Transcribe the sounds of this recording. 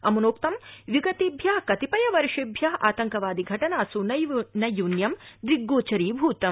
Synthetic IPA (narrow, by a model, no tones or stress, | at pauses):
ɐmunoːk̚t̪ɐmʋiɡɐt̪ibʱjaːkɐt̪ipɐjɐʋɐɾʂibʱjaːa̰ːt̪ɐŋkɐʋaːd̪iɡʱɐʈɐnaːsunɐjnɐjunjɐmd̪ɾiɡːoːt͡ʃɐɾiːbʱuːt̪ɐ